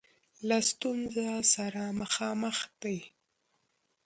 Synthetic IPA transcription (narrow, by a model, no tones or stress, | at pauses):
last̪unzasaɾamaxɑməxd̪aj